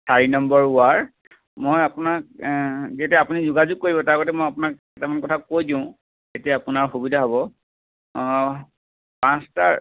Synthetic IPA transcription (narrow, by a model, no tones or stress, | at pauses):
sʰaɹinɔmbɔɹʊaɹ | mojapʊnak̚zietiaapunizʊɡazuɡ̚kːoɹibɔtaɹɡɔtɛmojapʊnakɛtamankɔtʰakojdĩʊ̃ | etiaapʊnaɹxobidʱaɦɔbɔ | pãstaɹ